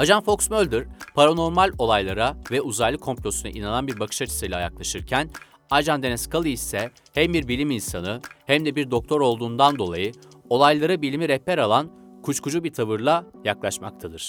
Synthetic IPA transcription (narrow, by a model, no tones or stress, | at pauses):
ad͡ʒanfo̞ksmølʲd̪iɾ̥pʰaɾano̞ɾmalʲo̞lˠajlˠaɾavɛuzajlˠɯkʰo̞mplʲo̞suna̰ʔinanˠanbiɾbakʰɯ̥ʃat͡ʃʰɯ̥sɯjlʲaja̰klˠaʃɯɾcʰæn | aɾd͡ʒand̪enɛskalˠɯisɛ | hæmbiɾbilʲiminsanɯhæmd̪ɛbiɾd̪o̞k̚t̪ʰo̞ɾo̞lˠd̪uːnd̪and̪o̞lˠajɯ | o̞lˠajlˠaɾɯbilʲimiɾɛpːɛɾalˠankʰut͡ʃkud͡ʒubit̪ʰavɯɾlˠajaklˠaʃma̰k̚t̪ʰad̪ɯɾ̥